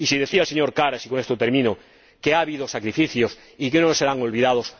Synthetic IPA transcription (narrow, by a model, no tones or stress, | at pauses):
isiðe̞θiaelseɲoɾkaɾasikonest̪ot̪eɾmĩno | keaβiðosakɾifiθjos | ikenoneseɾaŋolβ̞iðað̞os